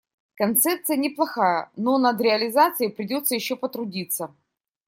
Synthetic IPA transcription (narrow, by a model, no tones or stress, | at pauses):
kɐnt̪sɛp̚t̪sɨjənʲɪplˠɐxajə̰no̞nɐd̪ɾʲɪɐlʲɪzat̪sɨjɪpɾʲɪdʲo̞t̪səjɪɕːopət̪ɾʊdʲit̪sə